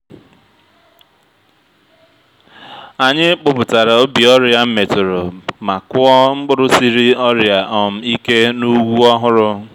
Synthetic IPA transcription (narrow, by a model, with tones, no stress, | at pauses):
a˨ɲɪ˦k͡pʊ˦˨pʊ˨ta˨ɾa˨o˦bi˨ɔ˦ɾja˦m̩˦me˨tʊ˨ɾʊ˨ma˨kʊ˦ɔ˦ŋ͡m̩˦ɡ͡bʊ˦ɾʊ˦si˦ɾi˦ɔ˦ɾja˨ʔɔ˨m̩˦i˦ke˦nu˦wu˦ɔ˦ɦʊ˦ɾʊ˦